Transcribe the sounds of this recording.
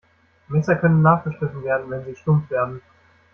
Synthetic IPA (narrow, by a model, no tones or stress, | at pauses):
mɛsɐkʰœnənːaːχɡ̥əʃʁ̥ɪtn̩veːɐdn̩vɛnziːʃtʊmfv̥eːɐdn̩